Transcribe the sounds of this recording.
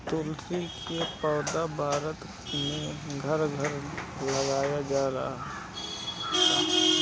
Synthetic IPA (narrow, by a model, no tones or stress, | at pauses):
t̪ʊlt̪ʰɾikepɔːd̪abʱaːɾət̪ | mẽɡʱəɾɡʱəɾləɡaːjad͡ʒaːɾaɦaɦ